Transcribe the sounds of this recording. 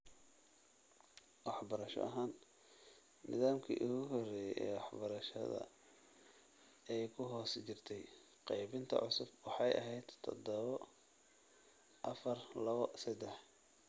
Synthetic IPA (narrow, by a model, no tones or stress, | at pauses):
wɑħbɐɾɐʃɔ̰ʔɐɦaːnː | ɪ̰ðaːmkʰḭːʔʊɣʊɦɔrɛːjɛjʔɛ̰ːwɑħbɐɾɐʃɐ̰ðɐ̰ | ɛjkʰʊɦɔːst͡ʃɪrt̪ʰɛj | qɑjβɪnt̪ʰɐ̰ʕʊsʊbwɑħɑjɐ̰ɦɛjd̪t̪ʰɔ̰d̪ɔβɔ | ʔɐfɐrlɐβɔsɐd̪ɛħ